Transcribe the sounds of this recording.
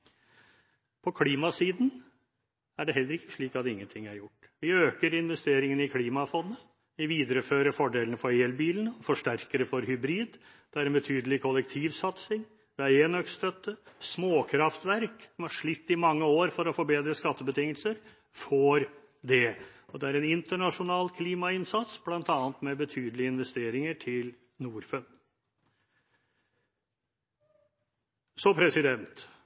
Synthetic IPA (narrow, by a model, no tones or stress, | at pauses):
pʰɔkʰliːmɑsiːd̪n | æɖɛɦɛlːəɾɪkːəʂɭiːkɑt̪ɪŋːənt̪ʰɪŋːæɾjʊʈːʋɪøːkəɾɪnʋɛst̪eːɾɪŋənɪkʰliːmɑfɔnːə | ʋɪʋiːd̪əɾəføːɾəfɔɖeːlənəfɔɾeːlbiːlən̩ɔfɔʂʈæɾkəd̪əfɔɾhʏbɾiːd̪ | d̪̥ɛæɾɛnbət̪ʰyːd̪əlɪkʰɔlɛk̚t̪ʰiːʋsɑt̪sɪŋ | d̪̥ɛæɾeːnœkst̪œt̪ːəsmoːkʰɾɑft̪ʋæɾksɔmæʂɭɪt̪ːɪmɑŋːəoːɾfɔɾɔfɔɾbeːd̪ɾəskɑt̪ːəbət̪ʰɪŋːəlsəɾ | fɔɾ | d̪ɛɔd̪ɛæɾɛnɪnt̪əɳɑʂʊnɑːlkʰliːmɑɪnsɑt̪sb̥lɑnt̪ɑːnt̪mɛbət̪ʰyːd̪əlɪəɪnʋɛst̪eːɾɪŋəʈʰɪl | nuːɾfən | sɔpʰɾɛsɪd̪ɛnt̪